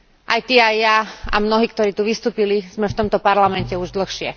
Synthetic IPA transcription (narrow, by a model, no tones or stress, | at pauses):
ʔajt̪iajːaa̰mnɔɦiːkt̪ɔɾiːt̪uʋist̪uːpiliz̥mɛft̪ɔmt̪ɔpaɾlamɛncɛuʒd̪l̩xʃɪɛ̰